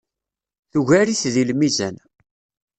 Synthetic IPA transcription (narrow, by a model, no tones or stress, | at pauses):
θuʝæɾiθðilmizæ̰n